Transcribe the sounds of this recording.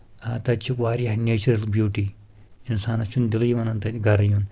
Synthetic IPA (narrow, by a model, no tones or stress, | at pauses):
at̪ɐt͡ʃʰiʋaːɾʲjahnʲeːt͡ʃuɾɐlbjuːʈi | insaːnɐt͡ʃʰund̪ilɐjiʋɐnɐnt̪ɐɡɐɾɐjun